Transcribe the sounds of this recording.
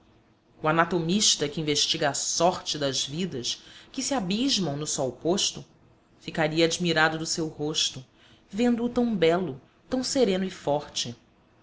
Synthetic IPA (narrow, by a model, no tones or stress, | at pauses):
uanat̪omiʃt̪ɐkɪĩveʃt͡ʃiɡɐːsɔɾt͡ʃɪd̪ɐzvid̪ɐʃkɪsiabiʒmɐ̃w̃nʊsɔwpoʃt̪ʊ | fikaɾiɐad͡ʒmiɾad̪ʊd̪ʊsewhoʃt̪ʊ | vẽnd̪ʊːt̪ɐ̃w̃bɛlʊ | t̪ɐ̃w̃seɾẽnʊifɔɾt͡ʃɪ